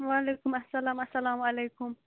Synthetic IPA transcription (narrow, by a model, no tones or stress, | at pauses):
wɑːlekʊmɐsɐlɑːmɐsɐlɑːmalejkʊm